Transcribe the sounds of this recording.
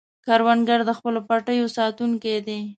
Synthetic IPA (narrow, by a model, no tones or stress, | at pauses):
kɑɾwanɡaɾd̪əxpəlopaʈəjosɑt̪uŋked̪e